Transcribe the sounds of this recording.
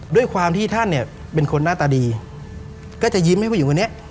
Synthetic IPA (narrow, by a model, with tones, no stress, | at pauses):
du˥˩əjkʰwaː˧mt̪ʰiː˥˩t̪ʰa˥˩nːi˥˩ɐ | pe˧nkʰo˧nːaː˥˩t̪aː˧diː˧ | kɔː˥˩t͡ɕa˨˩ji˦˥mha˥˩pʰuː˥˨˦kʰːni˥ɐ˨ʔ